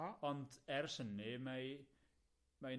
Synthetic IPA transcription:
ɔndɛrsənɪmaj | maj

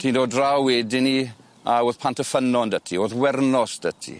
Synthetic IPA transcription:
tʰiːndoːdrawweːdɪni | aoːðpʰantəfənɔndətʰioːðwɛrnɔsd̥ətʰḭ

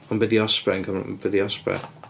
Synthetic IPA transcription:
ɔnbɛðiɔspɾɛnŋkʰəm̰b̥ɛðiɔspɾɛ̰

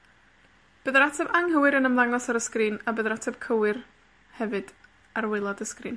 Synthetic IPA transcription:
b̥əðəɾatʰɛbaŋhəwɨɾənəmlˠaŋɔsaɾəskriːnabəðəɾatʰɛb̥̚kʰəwɪr | hɛvɨd̥ | arwɪlˠɔdəskrḭːn

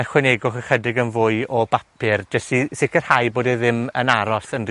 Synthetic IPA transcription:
əχwɛneɡɔχəχədɪɡənvʊɨɔbapʰɪrd͡ʒəstisɪkərhajboːdɛðɪmənaɾɔsənr

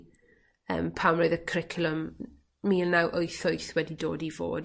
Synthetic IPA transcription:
ə̰ːmpʰamroɨðəkʰrɪkʰlˠəm | miːlˠnawʔoɨθojθwɛdidoːdivo̰ːd

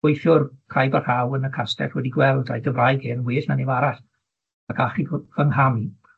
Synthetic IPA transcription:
ʊjθjʊrkʰrajbarhawənəkʰastɛ̰twɛdiɡwɛlˠdajɡəvrajɡeːnənwɪːɬnanevaɾaɬ | akʰaχiv̥əŋɦami

